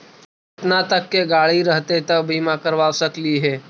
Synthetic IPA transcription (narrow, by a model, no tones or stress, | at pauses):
ɪt̪nat̪əkːeɡaːɭiɾəɦt̪et̪ɐbʱimãkəɾʋaːʋsəkliɦɛː